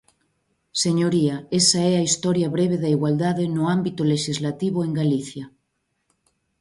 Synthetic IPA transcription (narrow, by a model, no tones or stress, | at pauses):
seɲoɾiaesaɛaist̪ɔɾjaβɾeβ̞eðaiɣwald̪aðenoambit̪oleʃizlat̪iβ̞oeŋɡaliθja